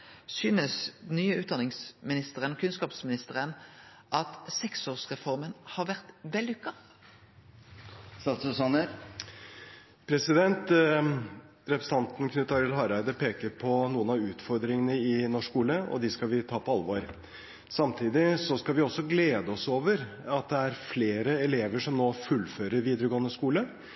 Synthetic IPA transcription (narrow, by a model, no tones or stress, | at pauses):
syːnəsnyːəʉːt̪̚d̪ɑnɪŋsmɪnɪst̪əʁənɔkʰʉnskɑːpsmɪnɪst̪əʁən | ʔɑt̪sɛksoːʁsʁɛfɔʁmənhɑːʁʋæʁt̪ʋɛlːʉkːɑ | st̪ɑt̪sʉsɑnəɾ | pʰɾɛsɪd̪ɛnt̪ | ɾɛpɾəsəɑnt̪n̩kʰnʉːt̪ɑɾɪlhɑɾæɪd̪əpʰeːkəɾpʰɔnuːənɑʉːt̪fɔɾd̪ɾɪŋənəɪnɔʂkuːləɔ̰d̪ɪskɑlʋɪt̪ʰɑːpʰɔɑlʋoːɾ | sɑmt̪ʰiːd̪ɪsɔskɑlʋɪɔsːɔɡleːd̪əɔsoːʋəɾɑt̪̚d̪ɛæɾfleːɾəɛleːʋəʂɔmnoːfʉlːføːɾəɾʋiːd̪əɾəɡoːənəskuːlə